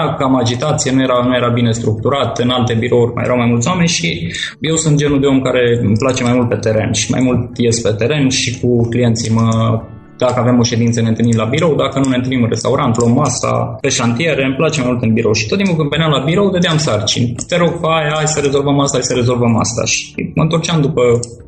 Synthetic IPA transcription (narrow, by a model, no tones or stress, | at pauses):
akamad͡ʒit̪at̪sijenujeɾanuje̞ɾabine̞st̪ɾuk̚t̪uɾat̪ɨnalt̪e̞biɾo̞urʲma̰jeɾawmajmult̪sowame̞nʲʃi | je̞wsunt̪̚d͡ʒe̞nud̪e̞o̞mkaɾe̞mplat͡ʃe̞majmult̪̚pe̞t̪e̞ɾe̞̰nʃi̥ma̰jmult̪je̞spe̞t̪e̞ɾe̞nʃikuklije̞nt̪simə | d̪̥akəavemo̞ʃe̞d̪int̪sənent̪ɨlnimlabiɾo̞wd̪akənune̞ɨnt̪ɨnimɨnre̞st̪auɾant̪lommːasa̰peʃant̪ie̞ɾe̞mplat͡ʃemajmult̪ɨnbiɾo̞wʃi̥t̪ot̪imulkɨnvenjamlabiɾo̞wd̪ed̪eamsart͡ʃḭnʲt̪e̞ɾo̞ɡ̚peajasəɾe̞zo̞lvəmast̪asəɾe̞zo̞lvəma̰st̪a̰ʃi̥mə̰ɨnt̪o̞rt͡ʃamd̪upə